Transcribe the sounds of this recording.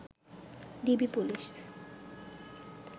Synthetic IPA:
d̪ibipuliʃ

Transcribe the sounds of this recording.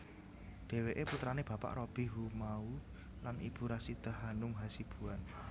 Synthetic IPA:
ɖ̥e̤weʔeput̪ɾaneb̥a̤pa̰ʔɾob̥i̤ɦumau | lanḭb̥ṳɾasit̪əɦanʊmɦasib̥uan

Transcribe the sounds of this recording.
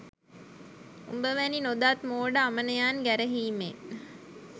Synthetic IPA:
ṵmbəʋæninod̪aːt̪moːɖəamənəjaːnɡæɾəɦiːme

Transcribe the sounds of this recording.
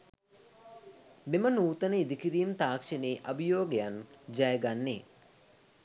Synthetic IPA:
memənuːt̪ənəid̪ikiɾiːmt̪aːkʂeneːʔɐbijoːɡejand͡ʒajəɡanːe

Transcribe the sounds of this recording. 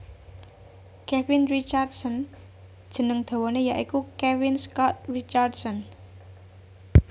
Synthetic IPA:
kɛfɪnrit͡ʃardsɔn | d̥ʒ̥ə̤nəŋd̪̥a̤wɔnejaʔikukɛwɪnskɔt̪̚rit͡ʃardsɔn

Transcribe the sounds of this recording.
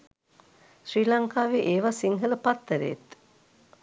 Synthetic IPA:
ʃriːlaŋkaːʋeʔeːʋasiŋɦələpat̪ːəɾḛːt̪

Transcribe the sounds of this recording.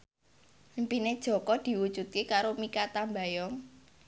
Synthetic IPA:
mpined̥ʒ̥ɔ̤kɔd̪̥i̤wud̥ʒ̥ṳt̪̚kekaɾomikat̪ambajɔŋ

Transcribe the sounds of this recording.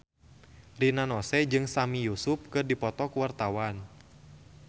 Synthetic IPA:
rinanɔsɛd͡ʒɨŋsamijusʊp̚kɨrdipɔt̪ɔkuwart̪awan

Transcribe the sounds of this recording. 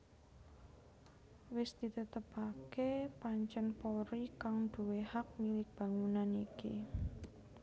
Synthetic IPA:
wɪsd̪̥i̤t̪ət̪əpakepaɲt͡ʃənpoɾikaŋd̪̥ṳwehak̚milɪk̚b̥a̤ŋunanikḭ

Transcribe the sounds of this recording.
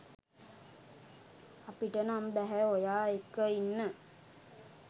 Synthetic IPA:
apiʈənambæɦæojaːekːəinːə

